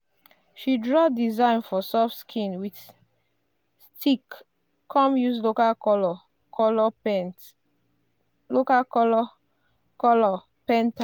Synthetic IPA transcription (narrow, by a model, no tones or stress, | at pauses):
ʃidɹɔdizãɪnfɔsɔfskʰĩnwit | stʰikʰː | ɔ̃mjuslokakɔlɔ | ɔlɔ | lokakɔlɔ | kɔlɔ | pɛ̃nta